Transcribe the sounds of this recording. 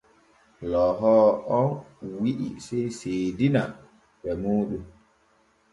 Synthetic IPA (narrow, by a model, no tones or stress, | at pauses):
lɔɦɔːɔnwiʔḭsejsedina | ɓɛmoːɗum